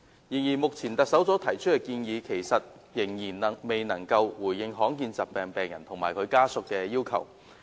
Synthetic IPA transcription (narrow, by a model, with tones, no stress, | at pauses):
jiː˨˩njiː˨˩mʊ˨k̚t͡sʰiː˨˩nt̪ɐ˨k̚sɐ˨˥wt͡sɔː˨˥t̪ʰɐ˨˩jt͡ʃʰɵ˥t̚kːɛː˧kiː˧njiː˨˧kʰe˨˩jsɐ˨t̚ | jɪ˨˩ŋjiː˨˩nɐ˨˩me˨jnɐ˨˩ŋkɐ˧wwuː˨˩jjɪ˧ŋɦɔː˨˥ŋkiː˧nt͡saː˨˩p̚pɛː˨ŋpɛː˨ŋjɐ˨˩nt̪ʰʊ˨˩ŋmaː˨˩jkʰɵ˨˧ɥkaː˥sʊ˨kːɛː˧jiː˥wkʰɐ̰˨˩w